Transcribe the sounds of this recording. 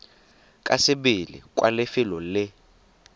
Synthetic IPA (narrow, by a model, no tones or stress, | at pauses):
kʼasɪɓilɪ̰kʼwa̰lɪfɪlɔlɪ